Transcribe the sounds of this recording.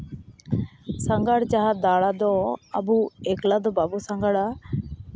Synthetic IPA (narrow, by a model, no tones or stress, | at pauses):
saŋɡaɽt͡ʃaɦad̪aɽad̪ɔabuɛklad̪ɔbabusaŋɡaɽa